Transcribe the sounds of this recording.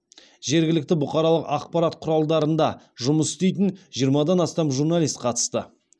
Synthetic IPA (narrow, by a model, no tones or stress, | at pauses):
ʒe̞ɾɡʲɪlɪk̚t̪ɪbʊqɑɾɑlˠəqɑq̚pɑɾat̪qʰʊɾɑlˠd̪ɑɾənd̪ɑ | ʒʊməsʏ̥st̪e̞jt̪ɪnʒijəɾmɑd̪ɑnɑst̪ɑmʒuɾnɑlʲist̪̚qʰɑt̪ə̥st̪ə